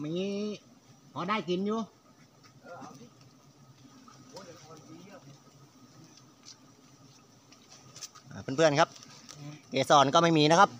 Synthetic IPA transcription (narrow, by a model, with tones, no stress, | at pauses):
ma˧˩ŋiː˦˥ | hɔː˨˦daː˥˩jki˨njuː˧ | ʔaː˨˩pʰɯ˥˩˨pʰɯ˥˩ənkʰa˦˥p̚ | keː˨˩sɔː˨˩nkɔː˥˩ma˥˩jmiː˧na˦˥kʰa˦˥p̚